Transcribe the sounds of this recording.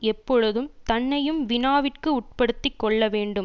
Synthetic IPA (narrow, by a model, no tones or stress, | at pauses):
ɛpːɔɻɯðɯmt̪ɐnːɐjɯmʋɪnaːʋɪrkɯʊʈ̚pɐɽɯt̪ːɪkːɔɭːɐʋeːɳɖɯm